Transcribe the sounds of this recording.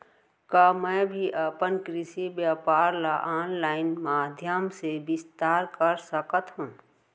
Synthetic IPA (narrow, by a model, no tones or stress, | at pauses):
kamɛ̃ːbʱiʔəpənkɾɪʃibjaːpaːɾlaʔaːnlaːɪnmaːd̪ʱjəmsebɪst̪aːɾkəɾsəkət̪ɦũː